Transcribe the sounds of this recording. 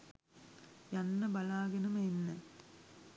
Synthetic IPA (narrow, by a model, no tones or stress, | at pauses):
jɐnːɐbɐlaːɡɐnɐmenːɐ